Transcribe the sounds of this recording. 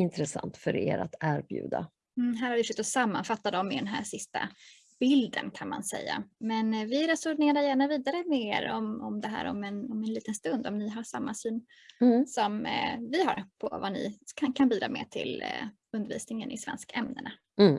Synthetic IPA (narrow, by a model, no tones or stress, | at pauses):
ɪnt̪ɾɛsa̰nt̪fœɾḛːɾa̰t̪ʰæɾbjʉ̟̰ːd̪a | m̩ɦæːɾhaɾvɪʂʏt̪ːɔsamːanfat̪ːad̪ɔmːɪd̪ɛnɦæːʂɪst̪a̰ | b̥ɪld̪ənkʰanma̰nsɛ̰jːa̰mɛnvɪɾɛsɔɾneːɾajæːɳaviːd̪aɾəmɛḛːɾɔmɔmd̪ɛɦæ̰ːɾɔ̰mɛnɔmɛnliːt̪ənst̪ɵnd̪ɔmnɪɦaʂamːasyːn | sɔmvɪɦa̰ɾpʰɔvanɪ̰kʰakʰanbiːd̪ɾɑ̰ːmɛ̰t̪ʰɪl | ɵnd̪əɾvḭːsnɪŋənʔɪ̰svɛ̰nskaɛmnəna